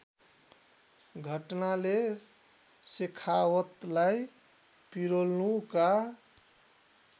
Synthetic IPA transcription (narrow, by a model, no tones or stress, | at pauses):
ɡʱəʈnale | sekʰawət̪laj | piɾolnuka